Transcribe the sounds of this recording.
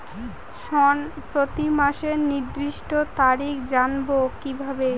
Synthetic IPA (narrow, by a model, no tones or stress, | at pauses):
ʃɔnpɾot̪imaʃeɾniɾd̪ɾiʃʈot̪aɾikʰd͡ʑanbokibʱabe